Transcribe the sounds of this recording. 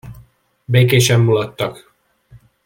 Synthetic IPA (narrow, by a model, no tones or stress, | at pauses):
beːkeːʃɛmːulɒt̪ːɒk